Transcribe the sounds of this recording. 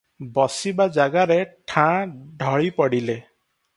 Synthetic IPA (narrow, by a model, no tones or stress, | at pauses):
bɔsibad͡ʒaɡaɾeʈʰãɖʱɔɭipɔɽile